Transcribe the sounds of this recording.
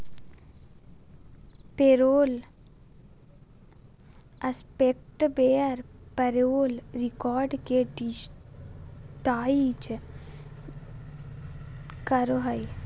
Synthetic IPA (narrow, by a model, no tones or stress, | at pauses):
peɾoːl | əspek̚ʈbeːəɾpəɾoːlɾɪkɔːɾɖkeɖ | ʈaːit͡ʃ | kəɾoɦəj